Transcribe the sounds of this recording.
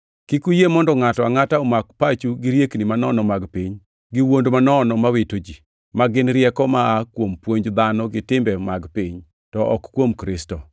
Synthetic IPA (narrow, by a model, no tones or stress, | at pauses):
kikujemɔndɔŋatɔaŋataɔmakpat͡ʃuɡiɾjeknimanɔnɔmaɡpiɲ | ɡɪwondomanɔnɔmawetod͡ʒi | maɡɪnɾjɛkɔmaːkwompwoɲd͡ʒd̪anɔɡɪtɪmbɛmaɡpiɲ | tɔʔɔkkːwomkɾɪstɔ